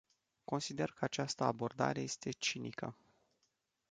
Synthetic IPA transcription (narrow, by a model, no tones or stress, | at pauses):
ko̞nsid̪e̞rkəat͡ʃast̪əabo̞rd̪a̰ɾe̞je̞st̪e̞t͡ʃinikə̰